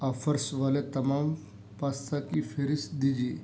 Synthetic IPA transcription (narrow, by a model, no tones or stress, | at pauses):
afəɾsʋalet̪əmam | past̪ʰakifeɾisd̪id͡ʑi